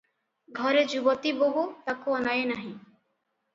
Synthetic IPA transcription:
ɡʱɔɾed͡ʒubot̪iboɦut̪akoɔnajenaɦĩ

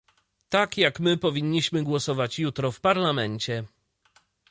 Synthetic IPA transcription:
t̪akjakmɘpɔvʲiɲːiɕmɘɡwɔsɔvat͡ɕjut̪ɾɔfpaɾlamɛɲt͡ɕɛ

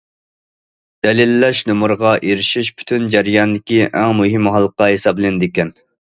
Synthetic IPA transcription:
d̪̥ɛlɪlːɛʃnumuɾʁɑʔeɾɪʃiʃpʰy̥t̪ʰynd͡ʒɛɾjɑnd̪ɪkʲiʔɛŋmuɦɪmɦɑlˠːqɑɦesɑblɪnd̪ɪkʲɛn

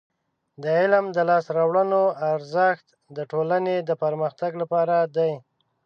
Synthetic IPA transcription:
d̪əɪlmd̪əlɑsɾɑwɽənoaɾzəxt̪ | d̪əʈolaned̪əpaɾməxt̪aɡlapɑɾad̪aj

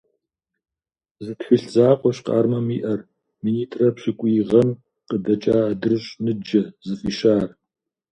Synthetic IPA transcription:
zɨtxɨɬzaːqʷʼɔɕqɑ̰ːrmɐmiːʔɐr | miːniːtʼrɐpɕɪkʷʼʊjʁɐm | qədɐt͡ʃʼaːdɨrɨɕʼnɨd͡ʒɐzɨfiːʃaːr

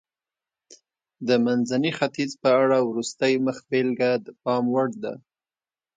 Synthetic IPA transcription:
d̪əmanzanixat̪izpəaɽawɾust̪əjməxbelɡad̪pɑmwaɽd̪a̰

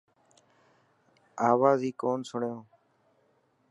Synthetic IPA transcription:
aːʋaːziːkoːnsʊɳjõː

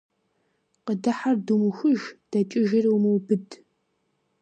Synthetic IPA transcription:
qədɐħardumxɨʒd̥ɐt͡ʃʼɪʒɪrwmɨwbɨdʰ

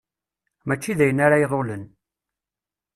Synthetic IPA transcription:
mæt͡ʃːiðæjənːaɾajiðolən

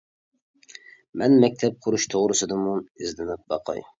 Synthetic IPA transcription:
mɛnmɛk̚ʲt̪ʰɛp̚qʰʊɾuʃt̪ʰoʁɾɨsɨd̪ɨmunɪzd̪ɪnɪp̚bɑ̰qʰɑ̰j

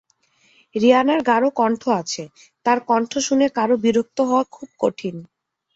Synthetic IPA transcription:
ɾianaɾɡaɾokɔɳʈʰoat͡ɕʰe | t̪aɾkɔɳʈʰoʃuneɾkaɾobiɾok̚t̪oɦɔekʰub̚koʈʰin

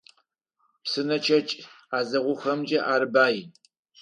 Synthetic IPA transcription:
psɨnɐt͡ʃʰɐt͡ʃʼ | aːzɐʁʷʊxɐmd͡ʒʼɐʔaːɾɨbaːji

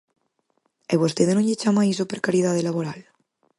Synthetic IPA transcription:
eβost̪eðenõʎet͡ʃamais̬opeɾkaɾjið̞að̞elaβoɾal

